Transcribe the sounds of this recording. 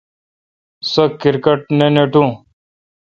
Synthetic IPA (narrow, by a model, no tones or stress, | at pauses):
səkːɪɾkəʈ̚neːneːʈũː